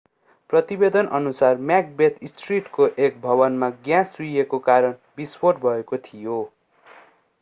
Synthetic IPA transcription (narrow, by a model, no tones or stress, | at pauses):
prʌt̪ibed̪ʌnʔʌnusarmjak̚bet̪ʰisʈriʈkoʔekbʱʌβʌnmaɡjãsuekokaɾʌnbispoʈ̚bʱʌekot̪ʰijo